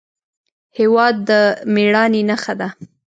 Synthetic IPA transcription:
hewɑd̪ːəmeɽɑninaxad̪a

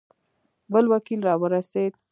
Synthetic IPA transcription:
bəlwakilɾɑwəɾased̪̚

